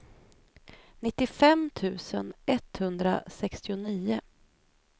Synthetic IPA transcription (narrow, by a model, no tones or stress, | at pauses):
nɪt̪ːɪfɛmt̪ʰʉ̟ːsə̰nɛt̪hɵnd̪ɾa̰sɛkst̪ɪʊniːʊ